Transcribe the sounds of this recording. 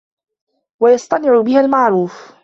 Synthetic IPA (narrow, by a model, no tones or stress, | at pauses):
wajɑsˤt̪ˤɑnɪʕʊbɪhalmaʕɾuːf